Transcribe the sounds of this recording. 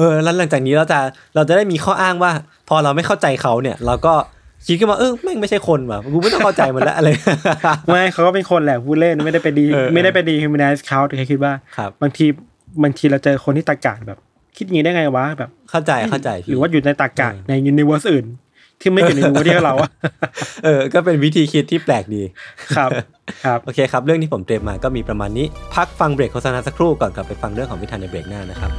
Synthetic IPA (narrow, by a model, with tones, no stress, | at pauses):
ʔɤː˧lɛ˦˥la˨˩˦ŋt͡ɕaː˨˩k̚niː˦˥ɾa˧wt͡ɕa˨˩ | ɾa˧wt͡ɕa˨˩da˥˩jmiː˧xʰɔː˥˩ʔaː˥˩ŋwaː˥˩ | pʰɔː˧ɾa˧wma˥˩jkʰa˥˩wt͡ɕa˧jkʰa˦˥wni˥˩ɐɾa˧wkɔː˥˩ | kʰi˦t̪̚kʰɯ˥˩wa˥ʔɤː˧ma˥˩ma˥˩jt͡ɕʰa˥˩jkʰo˧nwa˨˩˧ku˧ma˥˩t̪ŋkʰa˥˩t͡ɕa˧jma˧˦nlɛ̰˦˥ʔɾa˧jma˥˩jkʰa˦wkɔː˥˩pe˧nkʰo˧nlɛː˨˩pʰuː˥˩t̪̚le˥˩nː˦ma˥˩jda˥˩pe˧ndiː˧ma˥˩jda˥˩jpe˧ndiː˧kʰi˧mi˧naː˧˦˥skʰaː˦˥wt̪ːʰa˥˩kʰi˦t̪̚waː˥˩kʰa˦˥p̚baː˧ŋt̪ʰiː˧ | baː˧ŋt̪ʰiː˧ɾa˧wt͡ɕɤː˧xʰo˧nt̪ʰiː˥˩t̪a˨˩ka̰ː˨˩t̪̚bɛː˨˩p̚ | kʰi˦˥t̪̚ja˨˦˥jŋa˧ja˨˩wa˦˥bɛː˨˩p̚kʰa˥˩wt͡ɕa˧jkʰa˥˩wt͡ɕa˧jʰɾɯː˨˦waː˥˩ju˨˩na˧jt̪aː˨˩kaː˨˩˧t̪̚na˧jʔu˧ni˧wɤː˦˥sʔɯː˨˩n | t̪ʰiː˥˩ma˥˩u˨˩nːʰ˧˦˥iː˥˩˥ɾa˧˩wa˧˩ʔɤː˧kɔː˥˩pe˧nwi˦˥t̪ʰiː˧kʰi˦˥t̪ʰːiː˥˩plɛː˨˩k̚diː˧kʰɾa˦˥p | kʰa˦˥p̚oː˧kʰeː˧kʰa˦˥p̚ɾɯ˥˩ŋt̪iː˥˩o˩˦mt̪ɾiː˧mːaː˧kɔː˥˩miː˧pɾa˧maː˧nːiː˦˥pʰa˦˥k̚fa˧ŋbɾeː˨˩k̚ʰːo˧˦˥sa˧naː˧˥sa˧kʰɾuː˥˩kɔː˨˩nka˨˩pːa˧jfa˧ŋɾɯ˥˩əŋʰkʰɔ˩˦ŋwi˦˥t̪ʰaː˧na˧jbɾeː˨˩k̚naː˥˩na˦˥kʰɾa˦˥p̚